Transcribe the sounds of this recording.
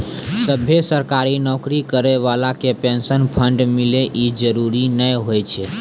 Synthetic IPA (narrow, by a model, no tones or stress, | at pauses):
səbʱesəɾkaɾinɔkɾikəɾeʋalakepensənpʰəɳɖmileʔid͡ʒəɾuɾinəjɦojt͡ʃʰɛ